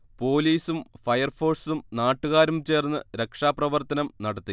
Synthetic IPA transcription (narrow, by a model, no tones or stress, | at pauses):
po̞ːliːsumfɐjɐrfo̞ːrsumnaːʈːuɣaːɾumt͡ɕe̞ːrnːɨɾe̞kʂaːprɐʋɐrt̪ɐnɐmnɐɽɐt̪ːi